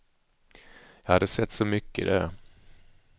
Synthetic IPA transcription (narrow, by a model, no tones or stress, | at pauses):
jɑhad̪ːəsɛt̪ːsɔmʏkːəɪ̰d̪ɛ